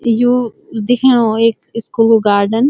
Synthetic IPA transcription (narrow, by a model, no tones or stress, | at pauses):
ju | d̪ɪkʰeɽõeːkɪskuloɡaːɾɖən